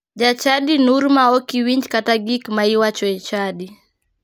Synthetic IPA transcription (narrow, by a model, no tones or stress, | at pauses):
d͡ʒat͡ʃaɗinuɾmaɔkiwiɲd͡ʒkataɡikmaiwat͡ʃɔɛt͡ʃaɗi